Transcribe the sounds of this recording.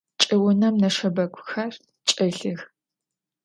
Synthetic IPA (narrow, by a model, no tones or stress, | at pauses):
t͡ʃʼɪwʊnɐmnɐʂɐbɐkʷʰʼʊxɐr | t͡ʃʼɨɬɨx